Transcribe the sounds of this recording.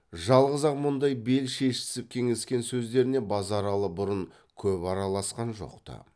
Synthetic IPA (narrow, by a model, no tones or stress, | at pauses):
ʒɑlˠʁəzɑqmʊnd̪ɑjbe̞lʃe̞ʃɪ̥sɪp̚kʲʰe̞ŋeskʲe̞nsɵzd̪e̞ɾɪne̞bɑzɑɾɑlˠəbʊɾʊɴ | kʲʰɵpɑɾɑlˠɑsqɑnʒo̞̰qt̪ɑ̰